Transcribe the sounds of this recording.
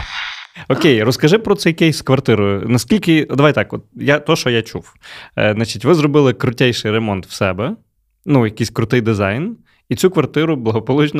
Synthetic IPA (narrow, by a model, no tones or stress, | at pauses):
ɔkʲejrɔskɐʒɪpɾɔt̪sɛjɐkɛjsʲkʋɐrt̪ɪɾʊnɐskʲilʲkɪd̪ɐʋaj̪ɑkɔt̪̚jat̪ɔʃt͡ʃɔjat͡ʃuw | zat͡ʃitʲʋɪzrɔbɪlˠɪkɾʊtʲɛjʃɪjɾemɔnt̪wsɛbɛ | nujɐkɪjsʲkɾʊt̪ɪjd̪ɪzɑjn | it̪t͡sʲukʋɐrt̪ɪɾʊblˠɐɦɔpɔlˠut͡ʃn